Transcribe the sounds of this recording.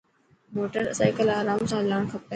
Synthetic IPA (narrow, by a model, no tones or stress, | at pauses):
moːʈəɾsaːɪkəlaːɾaːmsãːlaːɳ̃kʰəpe